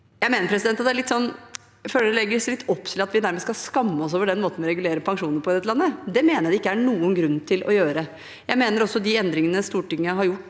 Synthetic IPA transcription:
jæɪmeːnəɾpʰɾɛsɪd̪ɛnt̪ɑt̪d̪æɭɪt̪sɔnː | føːləɖɛlɛɡːəɾslɪt̪ːɔpːt̪ʰɪlɑt̪ʋɪd̪æɾmɛskɑlskɑmːəɔs̬oːʋəɖɛnːmoːt̪n̩ʋɪɾɛɡʉleːɾəpʰɑŋʂuːnəɾpʰɔɛt̪lɑnːəd̪ɛmeːnəd̪ɛɪkːəæɳuːənɡɾʉnːt̪ʰɪlʔɔ̰jøːɾə | jæɪmeːnəɾɔsːɔd̪ɪɛnd̪ɾɪŋənəst̪uːʈɪŋːəɦɑɾjʊʈː

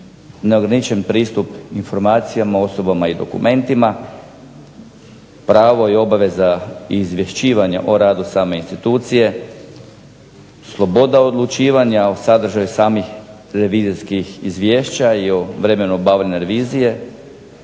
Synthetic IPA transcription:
neo̞ɡɾanit͡ʃe̞npɾiːst̪upinfo̞ɾmaːt̪sijamao̞so̞bamaid̪o̞̰kṵmʔe̞nt̪ima | pɾaːʋo̞io̞baʋe̞zaiːzʋʲje̞ʃiːʋaɲaʔoɾaːd̪usaːme̞inst̪it̪uːt̪sije̞ | slˠo̞bo̞d̪aod̪lˠut͡ʃiːʋaɲaosad̪r̩ʒajusaːmix | ɾe̞ʋiziskixizʋjeːʃt͡ɕaioʋɾe̞me̞nuobaːʋʎeneɾeʋiːzije̞

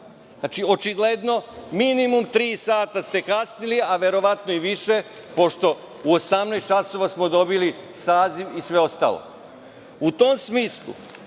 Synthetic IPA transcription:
nat͡ʃio̞t͡ʃiɡle̞d̪no̞minimumt̪ɾiːsaːt̪ast̪e̞kasniliaʋeɾo̞ʋat̪noiʋiʃe̞ | po̞ʃt̪o̞ | uosamnajst̪t͡ʃaso̞ʋasmo̞d̪o̞bilisaːziʋisʋe̞o̞st̪a̰ːlo̰ | ut̪omsmiːslˠṵ

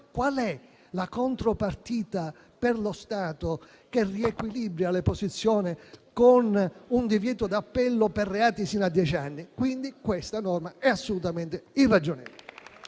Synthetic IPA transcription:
kwalɛ | lakont̪ɾopart̪iːt̪a | perlost̪aːt̪o | kerːiɛkwilibɾjaleposit̪sːjɔːnɪkonund̪ivjɛːt̪od̪apːɛlːoperːeaːt̪isinad̪ːjɛt͡ʃanːikwind̪ikwest̪anɔrmaɛasːolut̪ament̪ɪinrad͡ʒonɛ̰ːvol̰

